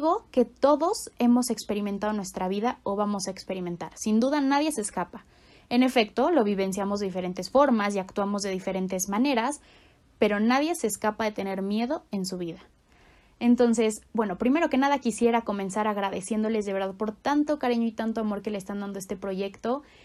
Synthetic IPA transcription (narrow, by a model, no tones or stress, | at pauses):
ɣo̞ke̞t̪o̞ðo̞se̞mo̞sekspe̞ɾimẽnt̪aðo̞nwe̞st̪ɾaβiðaoβamo̞saekspe̞ɾimẽ̞nt̪aɾsind̪uðanaðje̞se̞ːskapḁ | e̞ne̞fe̞kt̪o̞lo̞βiβe̞ns̬jamozðe̞ðifeɾe̞nt̪e̞sfo̞ɾmasiakt̪wamo̞zðe̞ðife̞ɾe̞nt̪e̞zmãne̞ɾas | pe̞ɾo̞naðje̞se̞ːskapaðe̞t̪e̞ne̞ɾmje̞ðo̞e̞nsuβiða | e̞nt̪o̞nse̞sbwe̞no̞pɾime̞ɾo̞ke̞naðakisje̞ɾako̞mẽ̞nsaɾaɣɾaðe̞sjend̪o̞lezðe̞βeɾðaðpo̞ɾt̪ant̪o̞kaɾiɲoit̪ant̪o̞amo̞ɾke̞leest̪and̪and̪oest̪e̞pɾo̞ʝe̞kt̪o̞